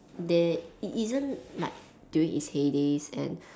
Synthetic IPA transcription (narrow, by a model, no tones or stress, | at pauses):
dɛitizə̃nlaɪk̚ | d̥juĩŋhishedesɛ̰̃n